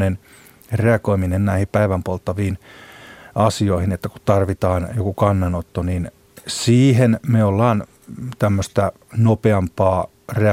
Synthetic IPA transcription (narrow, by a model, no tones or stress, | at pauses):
nen | reɑkoiminennæihipæiʋæmpolt̪ːɑʋiːn | ɑsioihinet̪ːæku̥tt̪ɑrʋit̪ɑːnjokukɑnːɑnot̪ːonin | siːhenmeolːɑːn | t̪æmːøst̪æ | nopeɑmpɑː | reɑ